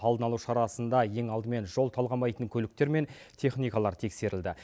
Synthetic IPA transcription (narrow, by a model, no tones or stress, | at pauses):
ɑlˠd̪ənɑlˠuwʃɑɾɑsənd̪ɑje̞ŋɑlˠd̪əme̞nʒo̞lˠt̪ʰɑlˠʁɑmɑjt̪əŋkʲʰɵlɪk̚t̪e̞ɾme̞n | t̪ʰe̞χnijkɑlˠɑɾt̪ʰe̞kse̞ɾɪld̪ɪ